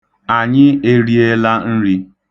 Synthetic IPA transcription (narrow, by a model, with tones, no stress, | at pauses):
a˨ɲɪ˦e˦ɾi˦e˦la˦n̩˦ɾi˦